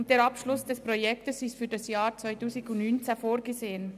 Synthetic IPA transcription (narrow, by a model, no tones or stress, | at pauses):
nd̥eːɾɑpʃlʊsd̥ɛspʁojɛktəsɪstfyːɾdɑsjaːɾt͡svœɪtuːzɪɡʊnnynt͡sɛfoːɾɡəzeːən